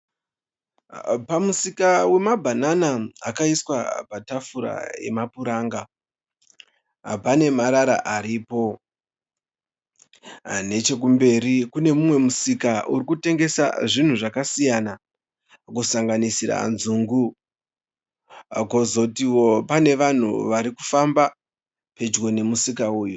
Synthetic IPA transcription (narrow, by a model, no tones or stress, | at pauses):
pamusikawe̞mabʱananaa̰kaiswa̰patafuɾa̰e̞̰mapuɾaːŋɡa | pane̞maɾaɾa̰ʔaɾiːpo̞ | ne̞t͡ʃe̞k̬umbe̞ːɾikune̞mumwe̞musikaʔuɾikute̞ŋɡe̞sa̰ʐin̤uʐakasijana | kusaŋɡanisiɾa̰nzuːŋɡu | akozo̞tiwo̞pane̞ʋan̤ṵʋaɾiku̥famba | pe̞d͡ʒwo̞ne̞musikauːju